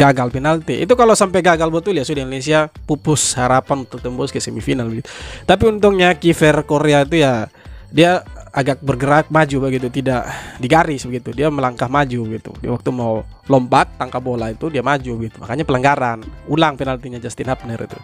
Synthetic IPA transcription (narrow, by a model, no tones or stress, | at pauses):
ɡaɡalpinalt̪iʔḭt̪ukalosampɛɡaɡalbət̪uljasudiindones̬iapupʊshaɾapanunt̪ʊk̚t̪əmbɔskasɛmifinalbəɡit̪u̥t̪ap̬iunt̪ʊŋɲakifɛrkoɾeait̪ujadiaaɡak̚bərɡəɾak̚mad͡ʒubəɡit̪ut̪idaʔdiɡaɾɪsbəɡit̪udiaməlaŋkahmad͡ʒubəɡit̪ṵdia̰wak̚t̪umaulɔmbat̪ːaŋkabolait̪udiamad͡ʒubəɡit̪umakaɲapəlaŋɡaɾanulaŋpinalt̪iɲad͡ʒast̪inhap̚nərḭt̪ṵ